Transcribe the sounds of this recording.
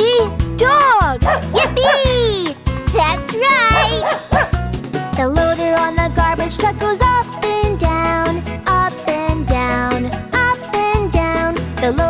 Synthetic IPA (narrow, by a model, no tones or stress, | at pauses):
idɔɡ̥jɛpi | ðætsɹaɪt | ðəloʊɾə˞ə̃nðəɡɑɹbɨd̥ʒ̥tʰʌkl̩ˠzɔpɨ̃ndãʊ̃nʌpɨ̃ndãʊ̃nʌpɨ̃ndãʊ̃nðəlo